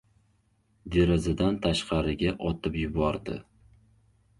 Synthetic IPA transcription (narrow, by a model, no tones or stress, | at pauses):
d̪eɾɪzad̪ant̪ʰaʃqʰɑɾɪɡʲaʔɒt̪ʰɪpjʊbɒɾd̪ɪ̰